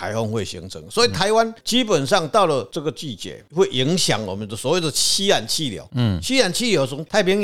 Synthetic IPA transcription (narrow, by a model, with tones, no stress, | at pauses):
a̰˧˦ɪhɔ˥˧ŋxwe˥˩ɪɕḭ˧˥ŋt͡sʰɤ˧˦ŋswɔ˧˦i˨t̪ʰa˧˦ɪwa˦nt͡ɕi˦pə˨˩nʂ̬ɑ˥˧ŋt̪a˥˨ʊlə˨t͡sɤ˥˩ɡə˨t͡ɕi˥˨t͡ɕjɛ̰˨˩˦hwe˥˩ɪʔi˧˦ŋɕja̰˨˦ŋwɔ̰˨˩mə˨˦nd̪ə˨˩swɔ˨˦we˥˨˩ɪd̪ə˨t͡ɕʰi˦a˨˩nt͡ɕʰi˥˨ljɑ̰˨˦ʊt͡ɕʰi˦a˨˩nt͡ɕʰi˥˨ljo˨˧˦ʊt͡sʰə˧˦ŋt̪ʰa˥˩ɪpjɛ˧˥